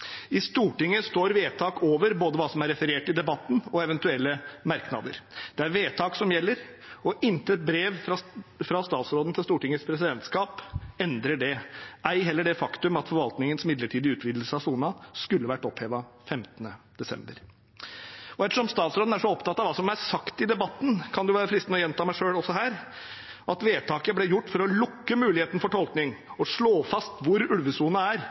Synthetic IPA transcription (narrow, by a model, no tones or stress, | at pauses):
ɪst̪uːʈɪŋːəst̪oːɾʋeːt̪ʰɑːkoːʋəɾboːd̪əʋɑːsɔmæɾɛfəɾeːʈɪd̪ɛbɑt̪ːn̩ɔɛʋɛnt̪ʉɛlːəmɑɾknɑ̰d̪ə̰ɾd̪̥ɛæɾʋeːt̪ʰɑːksɔmjɛlːəɾ | ɔʔɪnt̪əɛt̪̚bɾeːʋfɾɑst̪ɑːt̪sɾoːd̪n̩t̪ʰɪlst̪uːʈɪŋːəspʰɾɛs̬ɪd̪ɛnt̪skɑːpɛnd̪ɾəɖɛʔæɪɦɛlːəɖɛfɑkt̪ʉmɑt̪fɔɾʋɑlt̪nɪŋənsmɪd̪ləʈʰiːd̪ɪʉːt̪ʋiːd̪l̩səɑsunɑskʉlːəʋæʈːɔpheːʋɑfɛmt̪ənəd̪̥ɛsɛ̰mbəɾ | ɔɛt̪əʂɔmst̪ɑːt̪sɾoːd̪n̩æʂɔɔpt̪ɑt̪ːɑʋɑːsɔmæɾsɑkt̪ɪd̪ɛbɑt̪ːn̩kʰɑnd̪ʉʋɑːɾəfɾɪst̪nɔjɛnt̪ʰɑːmæɪʂøːɽɔsɔɦæːɾ | ɑt̪ʋeːt̪ʰɑːkəblɛjʊʈːfɔɾɔlʊkːəmʉːlɪheːt̪n̩fɔʈʰɔlknɪŋɔʂɭoːfɑst̪ʋʊɾʉlʋəsuːnəæɾ